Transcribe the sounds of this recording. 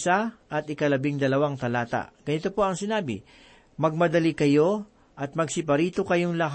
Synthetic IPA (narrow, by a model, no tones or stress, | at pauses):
saʔɐt̪̚ɪkɐlɐbiŋd̪ɐlɐwaŋt̪ɐlaːt̪ɐ̰ʔɡ̥ɐnɪt̪o̞po̞ɐŋsɪnaːbɪ̰ | mɐɡ̚mɐd̪ɐlikɐjo̞ | ʔɐt̪̚mɐɡsɪpɐɾiːt̪o̞kɐjo̞ŋlɐɦ